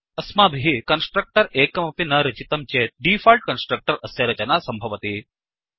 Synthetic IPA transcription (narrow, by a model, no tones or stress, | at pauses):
ɐsmaːbʱiɦikɐnsʈɾɐk̚ʈɐɾeːkɐmɐpinɐɾɐt͡ʃit̪ɐmt͡ʃeːɖiːfaːlʈ̚kɐnsʈɾɐk̚ʈɐɾɐsjɐɾɐt͡ʃɐnaːsɐmbʱɐʋɐt̪i